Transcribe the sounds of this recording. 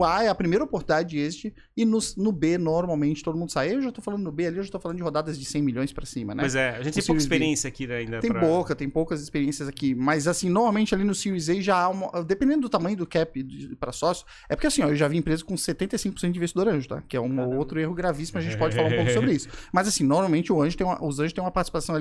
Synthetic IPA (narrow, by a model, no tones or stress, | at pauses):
aɛɐpɾimejɾɐopoɾt̪d̪ad͡ʒɪest͡ʃɪ | ɪnʊsnʊbenoɾmawmẽnt͡ʃɪ̥t̪od̪ʊmũnd̪ʊsaewʒat̪owfalɐ̃nd̪ʊnʊbealiewʒat̪ofalɐ̃nd̪ʊd͡ʒɪhod̪ad̪ɐzd͡ʒɪsẽj̃miʎõj̃spɾɐsĩmɐnɛpojzɛaʒẽt͡ʃt̪ẽikisspeɾɾiẽsjɐakiĩnd̪ɐẽjpowkɐt̪ẽj̃powkɐzispeɾiẽsjɐzakimɐzasĩnoɾmawmẽnt͡ʃɪalinʊsiizeʒaaũmɐʔd̪epẽnd̪ẽd̪ʊd̪ʊt̪amɐ̃ɲ̃jʊd̪ʊkɛpɪd̪ɪpɾɐsɔsjʊ | ɛpʊɾkeasĩɔewʒaviẽpɾezɐkõset̪ẽnt̪ejsĩkʊposẽt̪ʊd͡ʒvisd̪oɾɐ̃ʒʊt̪a̰kɪɛ̰ũot̪ɾʊehʊɡɾavisimʊɐʒẽnt͡ʃɪpɔd͡ʒɪfalaɾũpowkʊsobɾɪisʊ̥mɐzasĩnoɾmawmẽnt͡ʃɪʊɐ̃ʒʊt̪ẽj̃mɐʔʊzɐ̃ʒʊst̪ẽj̃ũmɐpaɾt͡ʃsipasɐ̃w̃ali